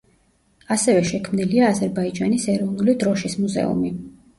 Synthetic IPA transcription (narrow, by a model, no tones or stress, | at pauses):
asɛvɛʃɛkʰmniliaːzɛɾbaid͡ʒanisɛɾɔvnulid̪ɾɔʃismuzɛ̰ṵmi